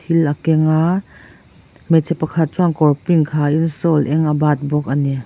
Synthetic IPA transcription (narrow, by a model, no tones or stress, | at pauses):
ilʔɐkɛŋa | mɛt͡sʰɛpːɐkʰɐt̪̚t͡ʃwaŋkɔrpiŋkʰaːʔinsɔlʔɛŋɐbat̪̚bɔk̚ʔɐni